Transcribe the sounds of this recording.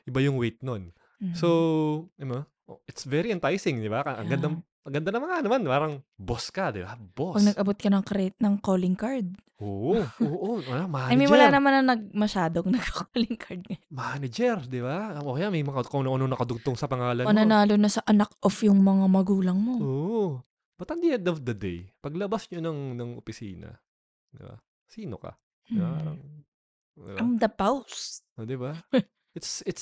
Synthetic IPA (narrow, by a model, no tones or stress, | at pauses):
ʔɪbajʊŋwejt̪̚non | soɐno | ʔoʔɪt̪svɛɾiɛnt̪ajsɪŋd̪ɪbakɐʔɐ̰ŋɡɐnd̪a | ɐŋɡɐnd̪anɐmɐŋanɐmanpaːɾɐŋboskɐd̪ɪbab̥opɐɡnɐɡɐbot̪̚kɐnɐŋkɐɾɛtnɐŋkoːlɪŋkaɹd̪̚ | oːʔoːʔoɐlamaɐmimʊlaːnɐmanɐŋnɐɡ̚mɐʃaːd̪oŋnɐkʰɐkolɪŋkʰɐɹd̪̚ŋɐmanɐd͡ʒɛɾd̪ɪbaʔoːkɛjamɐjmɐŋakɐnɐɐnonɐkɐd̪ʊk̚t̪oŋsɐpɐŋaːlɐnonɐnaːlonɐsɐʔɐnakʔofjʊŋmɐŋamɐɡuːlɐŋmo̞o | b̥ɐt̪ɐnd̪iʔɛnd̪ofd̪ɐd̪ḛjpɐɡlɐbasɲonɐŋnɐŋʔopɪsḭːnɐ̰ | d̪ɪba̰ | siːnokɐ̰ | d̪ɪamd̪ɐpawsd̪ɪba | ʔɪt̪sɪt̪s